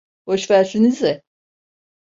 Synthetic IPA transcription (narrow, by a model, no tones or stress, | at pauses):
hoʃvæɾsinizɛ